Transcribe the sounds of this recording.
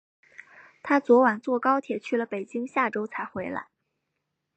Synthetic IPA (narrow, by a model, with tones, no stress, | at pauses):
t̪ʰa˥t͡swɔ˧˥wa˨˩nt͡swɔ˥˩kɑ˥ʊt̪ʰjɛ˨˩t͡ɕʰy˥˩lə˩pe˨˩ɪt͡ɕi˥ŋɕja˥˩ʈ͡ʂo˥ʊt͡sʰa˧˥ɪxwe˧˥ɪla̰˧˥ɪ